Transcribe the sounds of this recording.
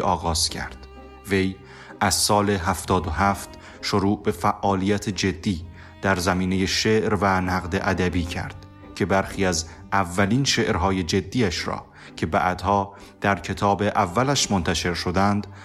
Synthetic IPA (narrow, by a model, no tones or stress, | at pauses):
ʔɒːɣɒːz̥cʰæ̰ɾd̪̥ | ve̞j | ʔæzsɒːle̞ɦæft̪ɒːd̪oɦæft̪ | ʃoɾuːʔbe̞fæʔːɒːlijæt̪ʰed͡ʒe̞d̪ːiː | d̪̥æɾzæmiːne̞je̞ʃeʔɾvænæɣd̪e̞ʔæd̪æbiːcʰæ̰ɾd̪̥ | cʰe̞bæɾxiːæz | ævːæliːnʃeʔɾɦɒːje̞d͡ʒe̞d̪ːiːæʃɾɒ̰ː | cʰe̞bæ̰ʔæd̪̥hɒː | d̪̥æɾcʰe̞t̪ʰɒːbe̞ʔævːælæʃmont̪ʰæʃe̞ɾʃod̪ænd̪̥